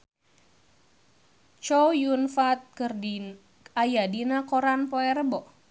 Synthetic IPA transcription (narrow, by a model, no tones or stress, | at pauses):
t͡ʃɔwjunfat̪̚kər | ajadinakɔɾanpoɛɾəbɔ